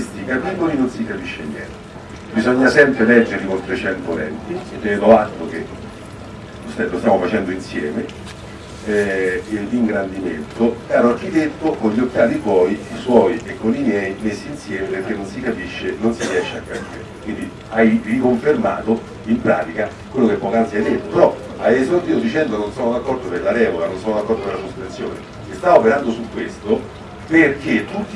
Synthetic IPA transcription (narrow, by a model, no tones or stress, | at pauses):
st̪ikapiɡolinonsikapiʃːenjɛ̰nt̪ | bizɔɲːasɛmpɾelɛd͡ʒːeɾlikont̪ɾet͡ʃɛnt̪olɛ̰nt̪ied̪ːɛvet̪ɔat̪ːok̟e | osɛːost̪jamofat͡ʃɛnd̪oinsjɛːme | ɛd̪iŋɡɾand̪imḛnt̪opɛːɾoark̟it̪et̪ːokonʎːiokːjaːt̪ipwɔːiiswɔjekːonimjɛːjmesːiːnsjɛːmeperk̟enːonsikapiʃːenonsiɾjɛʃːeakːapḭːɾekwind̪i | ajrikoɱferma̰ːt̪o | impɾa̰ːt̪ika | kwelːokepːɔkansianet̪ːopeɾɔ | ajesot̪iːod̪it͡ʃɛnd̪ononsɔːnod̪akːɔrd̪opelːaɾɛːvokanonsɔːnod̪akːɔrd̪opelasosp̪ɾent̪sːjo̰ːnḛ | est̪aopeɾand̪osukːwest̪o | perk̟et̪ːut̪ː